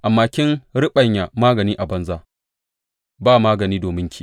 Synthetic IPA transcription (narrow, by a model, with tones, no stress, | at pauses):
ʔa˨mːaː˨kʲɪ˦nɾɪ˦ɓɐ˨ɲja˨maː˦ɡɐ˨niː˦ʔa˨bɐ˦nzaː˦ | baː˦˨maː˦ɡɐ˨niː˦doː˨mɪ˦ŋkʲʰiː˦˨